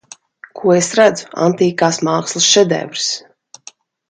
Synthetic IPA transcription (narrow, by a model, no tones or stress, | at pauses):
kʰuɔesɾad̪zu̥a̰nt̪iːkaːsmaːkslˠusʃɛd̪ɛ̰vɾs